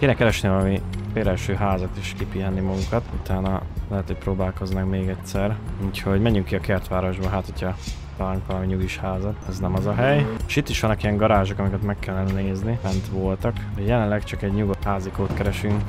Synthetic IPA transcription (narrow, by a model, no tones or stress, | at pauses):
keːnɛkɛɾɛʃnivɒlɒmifeːɾɛlʃøːɦaːzɒt̪iʃkipiːɦɛnːimɒɡukɒt̪ut̪aːnɒlɛɦɛt̪øːc̚ʲpɾoːbaːlko̞znɒkmeːɡɛtsɛruːcho̞ɟmɛɲːyŋkːiɒkɛrt̪ʋaːɾo̞ʒbɒɦaːt̪ho̞cʰhɒt̪laːluŋkʋɒlɒmiɲuɡiʃhaːzɒt̪ɛznɛmɒzɒɦɛjeʃit̪ːiʃʋɒnːɒkijɛŋɡɒɾaːʒokɒmikɛt̪mɛkːɛlːɛnɛneːznimɛnt̪ʋo̞lt̪ɒkd̪ɛjɛlɛnlɛkt͡ʃɒkɛɟɲuɡot̪haːzikoːt̪kɛɾɛʃyŋk